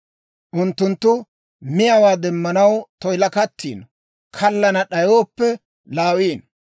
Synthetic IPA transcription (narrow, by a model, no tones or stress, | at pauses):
ʔʊnt̪ːʊnt̪ːʊ | mɪjɐwaːd̪ɛmːɐnɐwt̪ɔjlɐkɐt̪ʰːḭːn | kʰɐlːɐnɐɗɐjoːpːɛ | laːwiːn